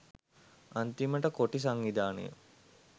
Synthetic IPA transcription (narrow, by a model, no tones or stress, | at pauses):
ant̪iməʈəkoʈis̬aŋːid̪aːnə̰jə̰